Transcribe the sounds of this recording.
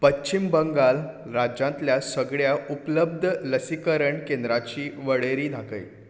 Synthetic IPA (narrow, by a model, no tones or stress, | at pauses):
pət͡ɕːt͡ɕimbəŋɡal | ɾad͡ʑãnt̪ljasəɡɭjaʔupləb̚d̪ʱləsikəɾəɳkẽnd̪ɾat͡ɕiːʋəɽeɾiːd̪ʱakə̰j